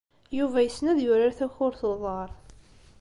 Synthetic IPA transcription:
juvæjəsnæðjʊɾaɾθæçʊɾθəðˤɑɾˤ

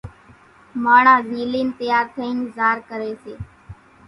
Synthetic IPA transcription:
maːɳãːziːliːnt̪ɪjaːɾt̪ʰəĩːŋzaːɾkəɾeːseː

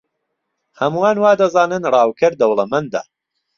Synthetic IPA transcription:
hɐmuwaːnwaːd̪ɐzaːnɨnrˤɑːwkʰɐɾd̪ɐwlˠɐmɐnd̪a̰ː

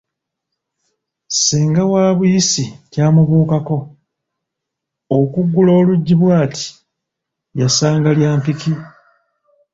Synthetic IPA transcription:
seːŋɡawaːβujisicaːmuβuːkako̞ | okuɡːulo̞ːluɟːiβwaːtʰi̥ | jasaːŋɡaljaːmpiki

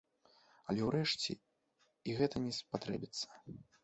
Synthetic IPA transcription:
ɐlʲɛwɾɛʂt͡sʲɛ̰ | iɣɛt̪ɐnʲɛspat̪ɾɛ̰bʲit̪sːɐ̥

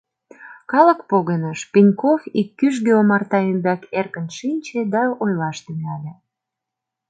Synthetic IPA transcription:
kɑlə̆kpoɣənəʃpinʲkofikːyʒ̬ɣeomɑrt̪ɑembækerkə̆nʃinʲt͡ɕed̪ɑojlɑʃt̪emeɑlʲĕ

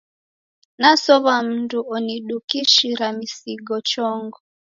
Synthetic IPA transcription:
nasɔβam̩nduɔniɗukiʃiɾamisiɡɔt͡ʃɔŋɡɔ

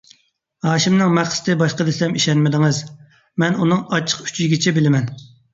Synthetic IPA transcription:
hɑːʃɪmnɨŋmɛχst̪ʰɨbɑʃqəd̪ɪsɛmiʃɛnmɪd̪ɪŋɨz | mɛnunɨŋɑt͡ʃʰːə̥qy̥t͡ʃʰizɡʲit͡ʃʰɛbɪlɪmɛn

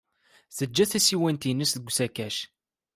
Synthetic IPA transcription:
θəd͡ʒːæθæsiwænt̪inəsðəɡʷsækæʃ

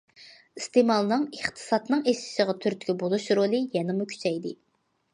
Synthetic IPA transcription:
ist̪emɑlˠnɨŋəχt̪ʰɨ̥sɑt̪nɨŋesɪ̥ʃəʁɑt̪ʰyɾt̪ʰɡʲɛbolˠuʃɾolˠɨjɛnɨmukʲʰy̥t͡ʃʰɛjd̪ɪ

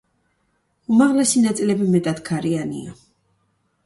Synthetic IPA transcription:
umaʁlɛsinat̪sʼilɛbimɛt̪ʼad̪kʰaɾianḭa̰

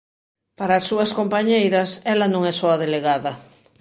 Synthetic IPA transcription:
paɾaːsːuɐskompaɲejɾɐsɛlanõŋɛsoaðeleɣaðɐ

